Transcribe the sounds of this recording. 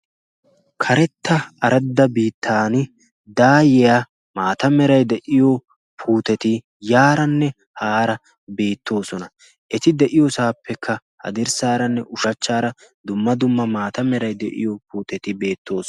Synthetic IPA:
kʰɐɾɛt̪ːɐʔɐɾɐd̪ːɐbiːt̪ʰːaːnɪ | d̪aːjɛja | maːt̪ɐmɛɾɐjd̪ɛʔɪjo | pʰuːt̪ɛt̪ɪ | jaːɾɐnːɛ | haːɾɐ | be̞ːt̪ːo̞ːsɔnɐ | ʔɛt̪ɪd̪ɛʔɪjɔsaːpʰːɛkʰːɐ | hɐ̰d̪ɪɾsaːɾɐnːɛʔʊʃɐt͡ʃːaːɾɐ | d̪ʊmːɐd̪ʊmːɐmaːt̪ɐmɛɾɐjd̪ɛ̰ʔɪ̰jopuːt̪ɛt̪ɪbe̞ːt̪ːo̞ːs

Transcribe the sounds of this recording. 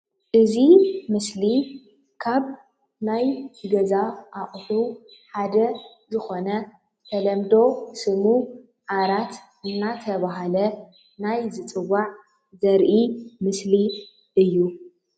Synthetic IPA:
ʔɨzimɨsli | kʰaβ | najt̪ʰɨɡɐzaʔaʔʼħu | ħad̪ɐ | zɨxo̞nɐ | t̪ʰɐlɐmd̪o̞sɨmu | ʕaɾat̪ | ɨnːat̪ʰɐβaɦalɐ | najzɨt͡sʼɨwːaʕ | zɐɾʔimɨsli | ʔɨjːu

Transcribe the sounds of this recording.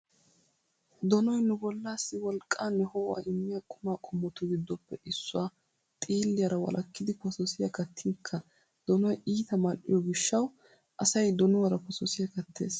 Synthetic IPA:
d̪ɔnɔjnʊbɔlːaːsːɪwɔlkʼːaːnːɛhɔwa̰ːʔɪmːɪjɐkʼʊmaːkʼɔmːɔt̪ʊɡɪd̪ːɔpːɛʔɪsːʊwaː | t̪ʼiːlːɪjɐɾɐwɐ̰lʔɐkːɪd̪ɪkɔsɔsɪjɐkɐt̪ʰːɪŋkʰːɐ | d̪̥ɔnɔjiːt̪ɐmɐnːɪ̰jɔɡɪʃːɐw | ʔɐsɐjd̪ɔnʊwɐɾɐpɔsɔsɪjɐkɐt̪ːe̞̰ːs

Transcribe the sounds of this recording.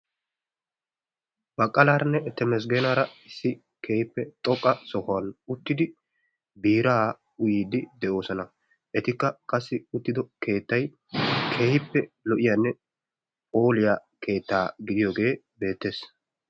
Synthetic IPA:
bɐkʼːɐlaːɾɐnːɛɛt̪ːɛmɛs̬ɡeːnaːɾɐɪsːɪ | kʰeːhɪpːɛt̪ʼɔkʼːɐsɔhɐnʊt̪ːɪd̪ɪ | biːɾaː | ʊjiːd̪ɪd̪ɛʔo̞ːsɔnɐ | ʔɛt̪ɪkːɐkʼɐsːɪʊt̪ːɪd̪ɔkʰe̞ːt̪ːɐj | kʰeːhɪpːɛlɔʔɪjaːnːɛ | pʼo̞ːlɪjaːkʰe̞ːt̪ːaːɡɪd̪ɪjoːɡe̞ː | be̞ːt̪ːe̞ːs

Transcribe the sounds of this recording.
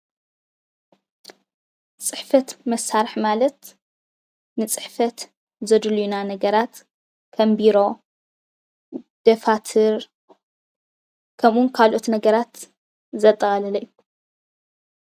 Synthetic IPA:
t͡sʼɨħfɐt̪mɐsːaɾɨħmalɐt̪ | nɨt͡sʼɨ̥ħfɐt̪ | zɐd̪ɨlujunanɐɡɐɾat̪ | kʰɐmbiɾo̞ | d̪̥ɐfat̪ʰɨɾ | kʰɐmʔunkʰalʔo̞t̪nɐɡɐɾat̪ | zɐt̪ʼːɐxʼɐlɐlɐʔjːu

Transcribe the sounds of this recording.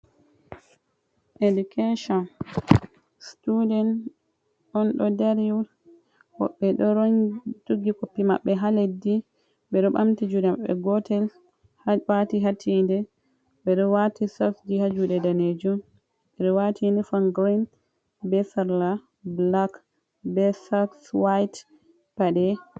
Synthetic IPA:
ʔedukʰeʃɔn | studɛn | ʔɔnɗɔdaɾju | hɔ̰ɓːɛɗɔɾɔntuɡikopːimaɓːɛɦaledi | ɓɛɗɔɓa̰mtid͡ʒudɛmaɓːɛ̰ɡɔtʰɛl | hwatiɦatʰːindɛ | bɛɗɔwatʰisafd͡ʒihad͡ʒuɗɛdaned͡ʒum | ɓɛɗɔwatʰinifanɡɾin | bɛsaɾla | blak | bɛsakswajt | paɗɛ

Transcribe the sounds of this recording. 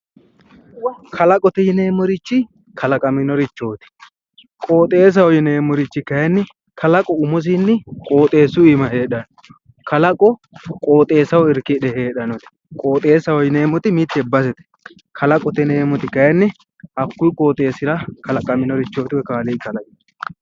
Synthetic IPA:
kʰɐlɐkʼɔt̪ɛjɪneːmɔɾɪt͡ʃːɪ | kʰɐlɐkʼɐmɪnɔɾɪt͡ʃːo̞ːt̪ɪ̥ | kʼo̞ːt̪ʼe̞ːs̬ɐwɔjɪne̞ːmɔɾɪt͡ʃːɪkɐjɐnːɪ | kʰɐlɐkʼɔʊmɔs̬ɪnːɪkʼo̞ːt̪ʼe̞ːsʊɪmɐheːɗɐnɔ | kɐlɐkʼɔ | kʼo̞ːt̪ʼe̞ːsɐwɔɪɾkɪᶑɛheːɗɐnɔt̪ɪ̥ | kʼo̞ːt̪ʼe̞ːsɐwɔjɪne̞ːmɔt̪ɪmɪt̪ːɛbɐs̬ɛt̪ɛ̥ | kʰɐlɐkʼɔt̪ɛneːmɔt̪ɪkɐjɐnːɪ | ʔɐkːʊjkʼo̞ːt̪ʼe̞ːsɪɾɐkɐlɐkʼɐmɪnɔɾɪt͡ʃːo̞ːt̪ɪwɔkaːlikɐlɐkʼɪ

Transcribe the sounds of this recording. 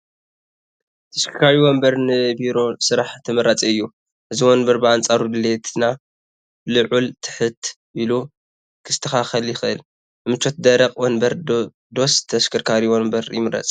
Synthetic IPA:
t̪ʰɐskʰɨkʰaɾiwombɐɾnɨbiɾo̞sɨɾaħt̪ʰɐmɨɾɐt͡sʼiɨjːu | ʔɨziwonbɐɾbɨant͡sʼaɾud̪ɨlet̪ʰɨna | lɨʕult̪ʰɨ̥ħɨt̪ʰ | ʔilu | kʰɨst̪ʰɐxaxɐljɪxɨʔɨl | ɨmɨt͡ʃʰːo̞t̪̚d̪ɐɾɐqʼwɔnbɐɾ | d̪o̞st̪ʰːɐskʰɨɾkʰaɾiwombɐɾjɪmɨɾɐ̰t͡sʼ

